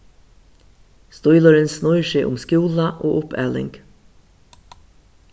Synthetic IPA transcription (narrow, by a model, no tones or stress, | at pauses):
st̪ɔʏlɔɾənsnɔʏʃɪʔʊ̰mskjuːlɑʔoːʔʊpæ̰ːlɪ̰ŋk